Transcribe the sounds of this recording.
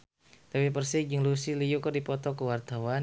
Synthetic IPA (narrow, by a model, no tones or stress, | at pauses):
t̪awipərsɪd͡ʒəŋlusilijukərdipɔt̪ɔkəwart̪awa